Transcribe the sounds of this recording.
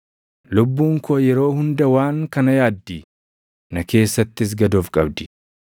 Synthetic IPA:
lʊbːuːŋkʰoːjɛɾo̞ːhʊnd̪ɐwaːŋkɐnɐjaːd̪ːi | nɐke̞ːsːɐt̪ːɪs̬ɡɐd̪oːfkʼɐ̰b̚d̪ɪ̥

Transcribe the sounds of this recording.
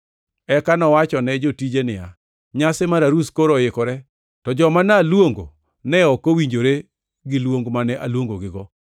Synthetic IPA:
ɛkanɔwat͡ʃɔnɛd͡ʒotid͡ʒenɪja | ɲasɪmaɾaɾuskoɾojɪkɔɾɛ | tɔd͡ʒɔmanalwoŋɡo̰ | nɛɔkowiɲd͡ʒoɾe | ɡɪlwoŋɡmanɛʔalwoŋɡoɡɪɡɔ

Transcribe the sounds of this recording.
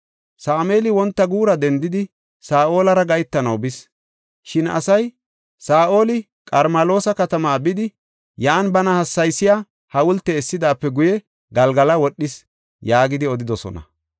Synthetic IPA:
saːme̞ːlɪwɔnt̪ːɐɡuːɾɐd̪ɛnd̪ɪd̪ɪ | saːʔo̞ːlɐɾɐɡɐjt̪ːɐnɐwbɪs | ʃɪnɐ̰sɐj | saːʔo̞ːlɪ | kʼɐɾmɐlo̞ːsɐkɐt̪ɐmaːbɪd̪ɪ | jaːnbɐnɐhɐsːɐjsːɪjaː | hɐwʊlt̪ːɛːsːɪd̪aːpːɛɡʊjɛ | ɡɐlɡɐlɐwɔɗːɪs | jaːɡɪd̪ɪɔd̪ɪd̪ɔsɔ̰nɐ̰

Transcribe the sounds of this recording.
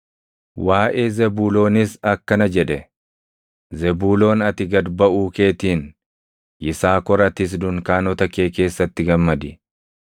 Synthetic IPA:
wʔaːʔe̞ːzɛbuːlo̞ːnɪsɐkːɐnɐd͡ʒɛᶑɛ | zɛbuːlo̞ːnɐt̪ɪɡɐd̪bɐʔuːke̞ːt̪iːn | ʔɪsaːkɔɾɐt̪ɪs̬d̪ʊŋkaːnɔt̪ɐke̞ːke̞ːsːɐt̪ːɪɡɐmːɐd̪ɪ

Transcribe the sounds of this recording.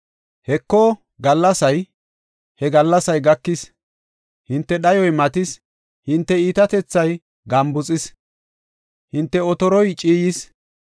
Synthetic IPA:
hɛkːoː | ɡɐlːɐsɐj | hɛɡɐlːɐsɐjɡɐkːɪs | hɪnt̪ːɛɗɐjɔjmɐt̪ɪs | hɪnt̪ːɛiːt̪ɐt̪ɛt͡sːɐj | ɡɐmbʊt͡sʼɪs | hɪnt̪ːɛɔt̪ɔɾɔjt͡ʃʼiːjɪs

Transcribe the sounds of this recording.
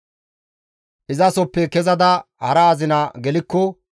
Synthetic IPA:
ʔɪzɐsɔpːɛkɛzɐd̪ɐhɐɾɐːzɪnaɡɛlɪkːɔ

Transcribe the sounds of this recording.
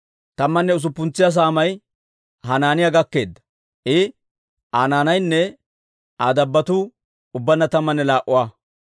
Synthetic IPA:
t̪ɐmːɐnːɛʊs̬ʊpːʊnt͡sːɪjas̬aːmɐj | ɦɐnaːnɪjɐɡɐkːe̞ːd̪ːɐ̥ | ʔɪ | ʔaːnaːnɐjnːɛ | aːd̪ɐbːɐt̪ʊ | ʊbːɐnːɐt̪ɐmːɐnːɛlaːʔʊwaː

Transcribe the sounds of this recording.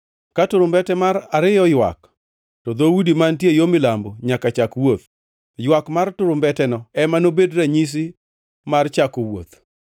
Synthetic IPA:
katʊɾʊmbɛtɛmaɾaɾɪjɔjwa̰k | tɔd̪owudimantjejomɪlamboɲakat͡ʃakwot̪ | jwakmartʊɾʊmbɛtɛnɔɛmanobedɾaɲis̬i | mart͡ʃakowo̰t̪

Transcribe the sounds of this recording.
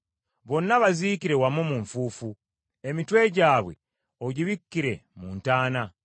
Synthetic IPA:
βo̞nːaβaziːkiɾe̞wamomuɱfuːfu | e̞mitwe̞ɟaːβwe̞̰ | oɟiβikːiɾe̞muːntaːna

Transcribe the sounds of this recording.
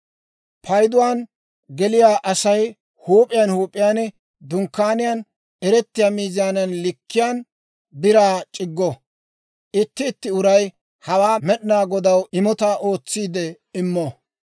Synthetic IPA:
pʰɐjd̪ʊwaːn | ɡɛlɪjaːʔɐsɐj | huːpʼɪjanhuːpʼːɪjaːnɛ | d̪ʊŋkːaːnɪjaːn | ɛɾɛt̪ːɪjaːmiːzɪjaːnɐnlɪkːɪjaːn | bɪɾaːt͡ʃʼɪɡːɔ | ʔɪt̪ːɪːt̪ːɪʊɾɐj | hɐwaːmɛɗɪnaːɡɔd̪ɐwɪmɔt̪aʔo̞ːt͡sːiːd̪ɛ | ɪmːɔ

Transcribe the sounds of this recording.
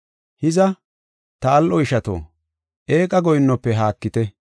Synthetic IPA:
hɪzɐ | t̪ɐːlʔɔɪʃɐt̪o̰ː | ʔe̞ːkʼɐɡɔjɪnːɔpːɛɦaːkːɪt̪ɛ

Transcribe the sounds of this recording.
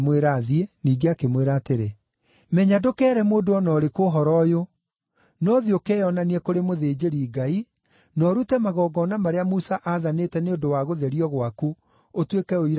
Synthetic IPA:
mweɾaːðieniːɡeakemweɾaːteɾe | mɛɲadokɛːɾɛmoːdoɔnɔːɾekoɦɔɾɔjo | nɔðiokɛjɔnaniɛkoɾemoðed͡ʒeɾiɡai | nɔɾutɛmaɣɔːɡɔːnamaɾeamusaʔaðanetɛneondowaɣoðɛɾiɔɣwaku | otwekɛoiɾ

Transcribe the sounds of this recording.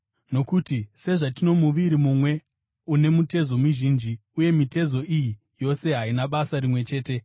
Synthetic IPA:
no̞kutise̞ʐatino̞muʋiɾimumwe̞ | une̞mute̞zo̞muʒind͡ʒiuje̞mite̞zo̞ʔiji | jo̞se̞ɦainaɓasaɾimwe̞t͡ʃe̞ːte̞

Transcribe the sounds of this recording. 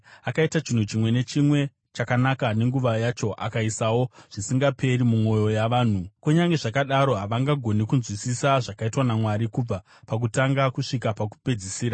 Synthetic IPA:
akaitat͡ʃin̤ut͡ʃimwe̞ne̞t͡ʃimwe̞ | t͡ʃakanakane̞ŋɡuʋajat͡ʃo̞ʔa̰kaisawo̞ʐ̥isiŋɡape̞rimumo̞jo̞jaʋaːn̤ukuɲaŋɡe̞ʐakaɗaɾo̞ɦaʋaŋɡaɡʱo̞nikunzwisisaʐakaitwanamwaɾikub͡va | pak̬utaŋɡakuʂikapak̬u̥pe̞d͡zisiːɾa

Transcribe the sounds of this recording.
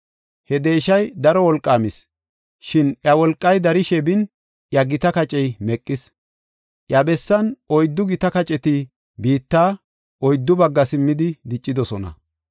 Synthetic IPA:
hɛd̪e̞ːʃɐjd̪ɐɾɔwɔlkʼːaːmɪs | ʃɪnʔjɐwɔlkʼːɐjd̪ɐɾɪʃɛbɪn | ʔjɐɡɪt̪ɐkɐt͡ʃʼɛjmɛkʼːɪs | ʔjɐbɛsːɐnʔɔjd̪ːʊɡɪt̪ɐkɐt͡ʃʼɛt̪ɪ | biːt̪ːaː | ʔɔjd̪ːʊbɐɡːɐsɪmːɪd̪ɪd̪ɪt͡ʃʼːɪd̪ɔsɔnɐ̰

